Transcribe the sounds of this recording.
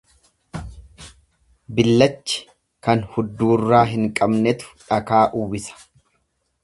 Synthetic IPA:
bɪlːɐt͡ʃːɪ̥ | kɐnhʊd̪ːuːrːaːɦɪŋkʼɐbnɛt̪ʊ̥ᶑɐkaːʔʊwɪsɐ̥

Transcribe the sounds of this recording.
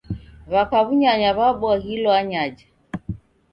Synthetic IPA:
βakaβuɲaɲaβaɓɔahilɔaɲad͡ʒa

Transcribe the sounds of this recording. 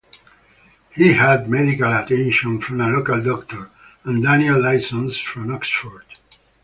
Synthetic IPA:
hihæd̪̚mɛdikalat̪ɛ̃nʃə̃nfɹɔ̃məlokald̪ɔkt̪ɔɹ | ə̃nd̪ænɛlːajsə̃nsfɹɔ̃mɔksfɔɹd̥

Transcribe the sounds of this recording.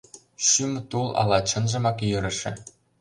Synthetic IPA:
ʃymt̪ulˠɑ̰lˠɑt͡ɕɤ̆nʒɤ̆mɑkjɤ̆ɾɘ̆ʃɘ̆

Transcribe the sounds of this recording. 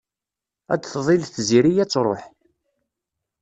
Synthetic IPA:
æ̰d̪θðˤɪlθziɾijæt͡sːɾˤoħ

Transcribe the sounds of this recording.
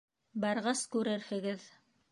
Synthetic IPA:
bɑɾʁɑskʉɾɘɾhɘ̆ɡɘð

